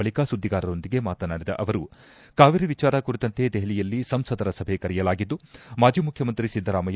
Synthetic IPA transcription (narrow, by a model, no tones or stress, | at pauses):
ɐɭikaːsud̪ʱːiɡaːɾɐɾo̞nd̪iɡemaːt̪ɐnaːɽid̪ɐ̰ʔɐʋɐɾu | kaːʋiɾiʋit͡ʃaːɾɐkuɾit̪ɐnt̪ed̪ɛɦɐlijɐlːisɐmsɐd̪ɐɾɐsɐbʱe̞kɐɾɛjɐlaːɡid̪ːumaːd͡ʒiːmukʰjɐmɐnt̪ɾisid̪ʱːɐɾaːmɐj